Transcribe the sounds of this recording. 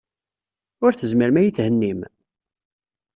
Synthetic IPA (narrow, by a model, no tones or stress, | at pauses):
ʊɾθəzmiɾmæjiθhənːim